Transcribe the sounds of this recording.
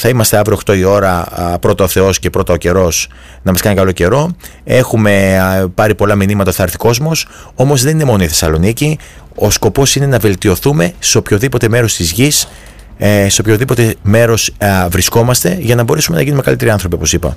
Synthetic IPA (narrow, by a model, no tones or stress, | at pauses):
θɐimɐst̪e̞ɐvɾio̞xt̪o̞io̞ɾɐpɾo̞t̪ɐoθe̞o̞sce̞pɾo̞t̪ɐoce̞ɾo̞s | nɐmɐskɐnikɐlo̞ce̞ɾo̞ | e̞xume̞pɐɾipo̞lɐminimɐt̪ɐoθɐɾθi̥ko̞zmo̞s | o̞mo̞zðe̞nine̞mo̞no̞iθe̞sɐlo̞nici | o̞sko̞po̞sine̞nɐve̞lt̪io̞θume̞seopçoðipo̞t̪e̞me̞ɾo̞st̪izʝis | seopçoðipo̞t̪e̞me̞ɾo̞svɾisko̞mɐst̪e̞ʝɐnɐbo̞ɾe̞sume̞nɐʝinume̞kɐlit̪e̞ɾiɐnθɾo̞p̬io̞po̞sipɐ̰